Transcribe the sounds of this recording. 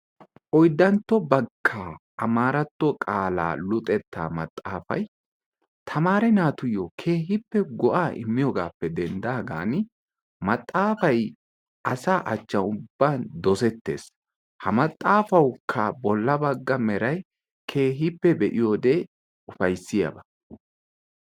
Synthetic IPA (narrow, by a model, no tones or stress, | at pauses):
ʔɔjd̪ːɐnt̪ːɔbɐɡːaːʔɐmaːɾɐt̪ːɔkʼaːla̰ːlʊt̪ʼɛt̪ːa̰ːmɐt̪ʼːa̰ːfɐ̰j | t̪ʰɐmaːɾɛnaːt̪ʊjɔkʰe̞ːɦɪpːɛɡɔʔaːʔɪ̰mːɪjɔːɡaːpːɛd̪ɛnd̪aːɡa̰ːnɪ | mɐt̪ʼːaːfɐj | ʔɐsaːʔɐt͡ʃːɐnʊbːaːnd̪ɔsɛt̪ːe̞̰ːs | hɐmɐt̪ʼːaːfɐwkʰːɐbɔlːɐbɐɡːɐmɛɾɐj | kʰe̞ːɦɪpːɛbɛʔɪjoːd̪e | ʊfɐjsːɪjɐ̰bɐ